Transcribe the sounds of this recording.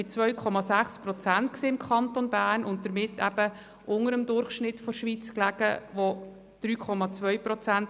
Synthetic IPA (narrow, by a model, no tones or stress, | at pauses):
ɪt͡svœʏkʰɔmɑsæχspɾɔt͡sænt̚kseːɪmkʰɑnt̪onbæːrnʊnt̚d̥əɾmɪtːæ̰b̥ə | ʔʊŋəɾəmd̪ʊɾχʃnɪtfɔʃʋiːt͡sklæɡ̥ə̰ʋo | d̥ɾyːkʰɔmɑt͡svœʏpɾɔt͡sænt